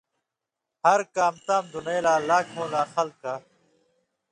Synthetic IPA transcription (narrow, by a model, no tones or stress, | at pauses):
hɐɾkaːmt̪aːmd̪unejlaːlaːkʰõːlaːxɐlkaː